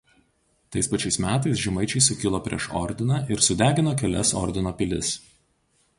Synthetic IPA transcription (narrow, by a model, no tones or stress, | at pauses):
t̪ɐɪspɐt͡ʃʲɛɪsmʲæːt̪ɐɪsʒʲɪmɐɪt͡ʃʲɛɪsʊkʲɪlˠoːpʲɾʲiɛʃɔ̰ɾʲd̪ʲɪnɑʔɪɾsʊd̪ʲæːɡʲɪnoːkʲɛlʲɛ̰sɔ̰ɾʲd̪ʲɪnoːpʲɪlʲɪs